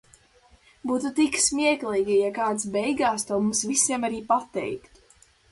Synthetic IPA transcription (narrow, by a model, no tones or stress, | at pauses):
buːt̪ut̪iksmʲiɛklˠiːɡijakaːt̪sbɛjɡaːst̪ɔwmũmsvisiɛmaɾiːpat̪ɛ̰jkt̪u̥